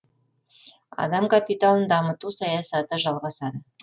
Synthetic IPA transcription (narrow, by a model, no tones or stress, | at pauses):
ɑ̰d̪ɑmkʰapit̪alˠənd̪ɑmət̪usɑjɑsɑt̪əʒɑlˠʁɑsɑd̪ə